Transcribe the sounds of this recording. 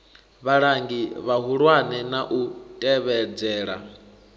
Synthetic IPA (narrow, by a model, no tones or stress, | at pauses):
βaɺaŋɡiβaɦuɺwanɛnaʔutʼɛβɛd͡zɛːɺa̰